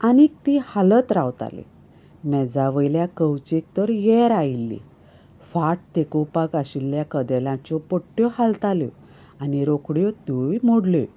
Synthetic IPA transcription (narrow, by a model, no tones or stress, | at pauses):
anik̚t̪ihalət̪ɾawt̪a̰lḛ | mɛd͡zaʋəjljakəwt͡ɕek̚t̪əɾjɛɾailːḭ | faʈ̚t̪ekopakaɕilːjakəd̪ɛlãt͡ɕɔpɔʈːjɔhalt̪aljɔ̰ | aniɾokɽjɔt̪ojmoɽle